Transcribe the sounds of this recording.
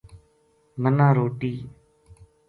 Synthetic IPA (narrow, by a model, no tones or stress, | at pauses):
mənãːɾoːʈiː